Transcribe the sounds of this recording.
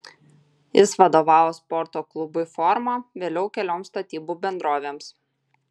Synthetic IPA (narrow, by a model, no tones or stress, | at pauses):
jɪsʋɐd̪oːʋɑːʋoːspɔɾt̪oːklˠʊbʊifɔɾmɑʋʲeːlʲɛʊkʲɛlʲoːmst̪ɐt̪ʲiːbuːbʲɛnd̪ɾoːʋʲeːms